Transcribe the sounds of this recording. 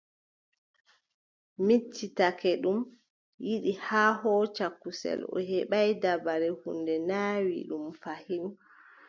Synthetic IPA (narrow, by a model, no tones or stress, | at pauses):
mitʰːitakɛɗum | jiɗihaːɦɔt͡ʃakːusɛ̰lɔ̰ɦɛɓajdabaɾɛhṵndɛnaːwḭɗumfahin